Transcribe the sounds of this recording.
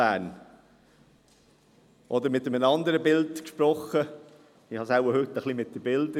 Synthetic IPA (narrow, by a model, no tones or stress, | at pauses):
æːn | ʔɔd̪əɾmɪt̪ːəmənɑnd̪əɾəbɪldkʃpɾɔχːə | ɪhɑsaʊwəɾhɵt̪ːəχlimɪt̚d̥əbɪldə